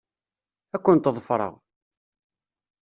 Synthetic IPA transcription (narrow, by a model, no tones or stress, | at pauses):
ækʷːʊnt̪əðˤfɾˤə̰ʁ